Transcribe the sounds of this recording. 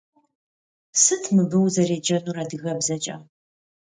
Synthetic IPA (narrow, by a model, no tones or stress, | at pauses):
sɨtʰmɨbɨwzɐreːd͡ʒɐnuːraːdɨɣɐbzɐt͡ʃʼɐ̰